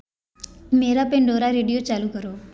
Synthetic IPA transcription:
meɾapeɳɖoɾaɾeɽijot͡ʃalukəɾo

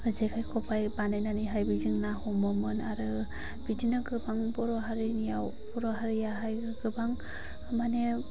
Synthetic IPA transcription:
ɯzekʰajkʰɔpʰajbanajnaniɦajbiziŋnahɔmɯmɯnaɾɯ | b̥idinɯɡɯbaŋbɔɾɔɦaɾinijaw | bɔɾɔɦaɾijaɦaj | ɡɯbaŋ | mane

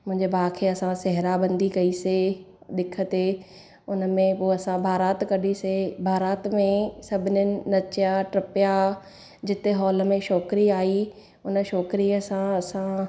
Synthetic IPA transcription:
mʊ̃ɦɪ̃ɲd͡ʑebaːkʰeɐsãsɛɦɪɾabɐ̃nd̪ikɐise | ɗ̪ɪkʰə̆t̪e | ʊnə̆mẽpoːɐsãbʱaːɾaːt̪kɐɗisebʱaːɾaːt̪mẽsɐbʱɪnənɪ̆nɐt͡ɕjaʈɾɐpja | d͡ʑɪt̪eɦɔːləmẽʃɔːkɪɾiaːi | ʊnə̆ʃɔːkɾiəsãɐsã

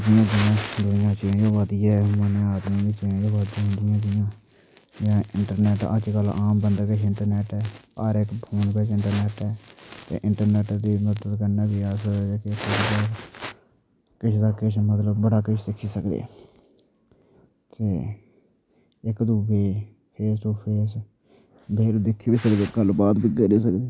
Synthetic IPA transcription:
d͡ʒ̪ɪjãːd̪ɪjãːd̪ʊɪjãːt͡ʃĩːd͡ʒoːʋəd̪ijɛːmənẽːaːd̪mĩːd̪iːt͡ʃĩːd͡ʒoːʋəd̪ãːɦʊ̃nd̪ɪjãːd̪ɪjãː | jãːɪ̰ɳʈəɾnɛːʈə̰d͡ʒkəlaːmbənd̪aːkɪt͡ʃʰɪɳʈəɾnɛːʈɛːə̰ɾɪkpʰuːnkət͡ʃʰɪɳʈəɾnɛːʈɛːt̪ḛːʔɪɳʈəɾnɛːʈd̪iːməd̪ət̪kəɾnaːbiaːsoːkekɪʃd̪aː | kɪt͡ʃʰd̪aːkɪt͡ʃʰmət̪ləbbəɽaːkɪt͡ʃʰsɪkʰːiːsəkd̪ḛː | k̪eː | ɪkd̪uːbeː | pʰeːsʈuːpʰeːs | beːlːd̪ɪkʰːiːbiːsək̪eɡəlbaːd̪biːɡeɾiːsəkd̪eː

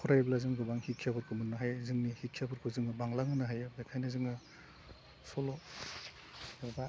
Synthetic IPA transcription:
kʰɔɾajblazɯŋɡɯbaŋhikʰːijabɯɾkʰɯmɯnːaɦajzɯŋnihikʰijabɯɾkʰɯzɯŋɯbaŋlaŋɯnaɦajbakʰajnɯzɯŋɯ | sɔlɔ | ba

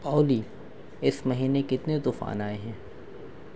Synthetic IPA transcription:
pɔːʊli | ɪsmɐɦiːnekɪt̪net̪ʊfa̰ːnaːeɦɛ̃ː

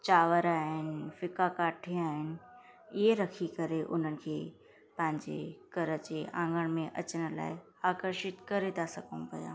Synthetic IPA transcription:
t͡ɕaːʋəɾaːɦɪnɪ̆ɪ̆fɪkakaːʈʰiaːɦɪnɪ̆ | ɪɦeɾɐkʰikɐɾeʔʊ̰n̤ənɪ̆kʰeː | pɐ̃ɦɪ̃ɲd͡ʑḛkɐɾət͡ɕeːʔã̰ːŋɡəɽ̃mẽʔɐt͡ɕəɽ̃ə̆la̰ːɪ | aːkəɾʃɪt̪kɐɾet̪asɐɡʱəũpɐ̰ja̰ː

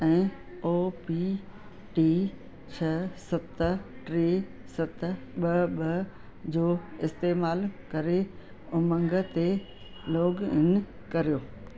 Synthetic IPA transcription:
ɛ̃ː | oːpi | ʈiː | t͡ɕʰɐsɐt̪ʰʈɾiː | sɐt̪ʰɓɐɓɐ | d͡ʑoːɪst̪eːmaːlkɐɾe | ʊmɐ̃ŋɡət̪e | loːɡɪ̰n̆ | kɐɾijoː

